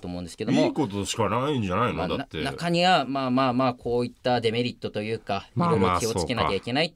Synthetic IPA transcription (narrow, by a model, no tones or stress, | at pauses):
toːmo̞ɯ̃nd̪eɨ̥ke̞d̪miokot̪oɕi̥kanaiĩɲd͡ʑanainad̪aat̪ːenakaɲ̟iβamaːmaːmaːkʰo̞ːit̪ːad̪e̞me̞ɾʲit̪ːo̞t̪o̞jɯ̟ːkaiɾo̞iɾokʲio̞t͡sɨke̞nakʲaikʲe̞nai